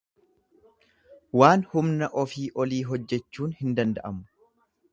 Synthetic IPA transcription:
waːnhʊmnɐʔɔfiːʔɔliːɦɔd͡ʒːɛt͡ʃːuːnhɪnd̪ɐnd̪ɐʔɐmʊ

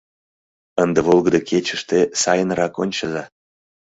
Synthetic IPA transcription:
ənd̪eβolˠɣəd̪əkʰet͡ɕəʃt̪esɑjənrɑkonʲt͡ɕəzɑ

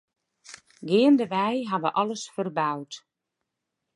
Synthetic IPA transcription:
ɡɪəndəʋɛjɦaʋəʔɔləsfərbawt

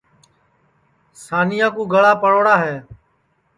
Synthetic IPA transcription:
saːnɪːjãːkuːɡʱəɭaːpəɽoːɽaːɦeː

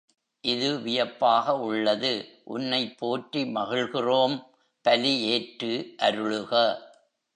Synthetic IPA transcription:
ʔɪðɯʋɪjɐpːaːɣɐʊɭːɐðɯʔʊ̰nːɐɪpʰːoːʈrimɐɣɪɭɣɪroːm | pɐlieːʈrɯʔɐɾɯɭɯɣɐ

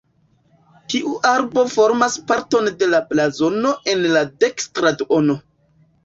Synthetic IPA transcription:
tiʔuʔaɾbo̞fo̞ɾmaspaɾto̞nde̞laplazo̞no̞ʔe̞nlade̞kstɾadono̞

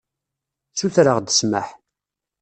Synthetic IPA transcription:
θuθɾəʁd̪ə̥sməħ

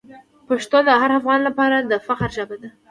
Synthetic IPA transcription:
paʃt̪od̪əɦaɾafɣɑnlapɑɾad̪əfaxaɾʒabad̪a

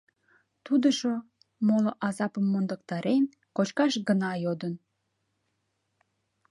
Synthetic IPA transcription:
t̪ud̪əʃo | moloʔɑzɑpəmːond̪ək̚t̪ɑɾen | kot͡ɕkɑʃɡənɑjod̪ən

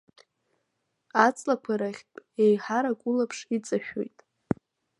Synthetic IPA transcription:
at͡sʼlakʷʰaɾaχʲpʼejħaɾakʷʼʊlapʰʂit͡sʼaʃᶣo̞̰jtʼ

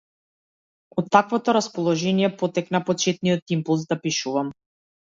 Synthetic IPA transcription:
ɔt̪ːakvɔt̪ɔɾaspɔlˠɔʒɛnijɛpɔt̪ɛknapɔt͡ʃɛt̪̚nijɔt̪impulˠs̬d̪apiʃuvam

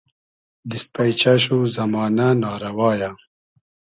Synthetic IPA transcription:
d̪ist̪̚pɐjt͡ɕɐɕ̬uzɐmɑːnanɑːɾɐwɑːja

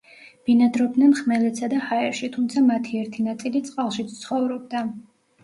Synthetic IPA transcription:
b̥inad̪ɾɔb̚d̪nɛnχmɛlɛt̪sad̪ahaɛɾʃit̪ʰumt̪sʰamat̪ʰiɛɾt̪ʰinat̪sʼilit̪sʼqʼalˠʃit̪sʰt̪sʰχɔvɾɔb̚d̪a

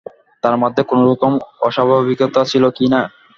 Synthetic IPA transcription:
t̪aɾmɔd̪ʱːekonoɾɔt̪omɔʃabʱabikot̪at͡ɕʰilokina

